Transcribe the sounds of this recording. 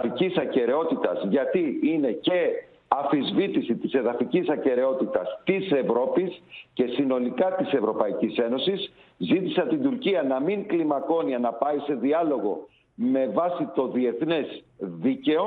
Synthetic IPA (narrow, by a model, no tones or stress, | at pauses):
icisɐce̞ɾe̞o̞t̪it̪ɐzʝɐt̪iine̞ce̞ | ɐfizvit̪isit̪ise̞ðɐficisɐce̞ɾe̞o̞t̪it̪ɐst̪ise̞vɾo̞pisce̞sino̞likɐt̪ise̞vɾo̞pɐicise̞no̞sis | zit̪isɐt̪ind̪uɾciɐnɐmiŋklimɐko̞niɐnɐpɐise̞ðiɐlo̞ɣo̞̰ | me̞vɐsit̪o̞ðie̞θne̞zðice̞o